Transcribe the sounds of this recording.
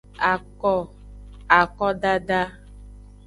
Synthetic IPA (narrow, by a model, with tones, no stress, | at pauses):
a˨kɔ˦˨ | a˨kɔ˦ɖa˦ɖa˦